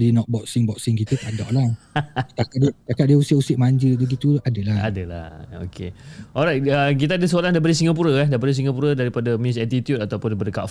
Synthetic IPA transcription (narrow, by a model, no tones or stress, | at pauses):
dinɔ̃t̪̚bɔk̚sɪŋbɔk̚sɪŋkit̪əkadɔ̰ʔlat̪akadt̪akaʔ̚diəusəʔusiʔ̚maɲd͡ʒədəɡit̪uadəlaa̰dəla̰ho̰kʰḛʔɔɾajt̪̚ək̬it̪̬aadəsəolandabəɾis̬iŋap̬uɾəɛdabədis̬iŋɡapuɾədaɾipadamĩsɛt̪it̪jutat̪awpʊndaɾipadəka̰ʔf